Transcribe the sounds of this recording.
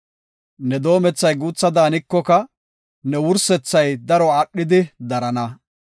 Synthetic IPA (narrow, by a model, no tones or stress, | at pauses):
nɛd̪o̞ːmɛt͡sːɐjɡuːt͡sːɐd̪aːnɪkːɔkɐ | nɛwʊɾsɛt͡sːɐjd̪ɐɾɔaːɗːɪd̪ɪd̪ɐɾɐnɐ